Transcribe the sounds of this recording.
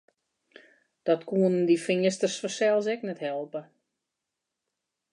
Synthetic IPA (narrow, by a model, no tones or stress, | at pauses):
d̥ɔtkuənəndifɪəstərsfɔsɛlˠsɛknɛthɛlˠpə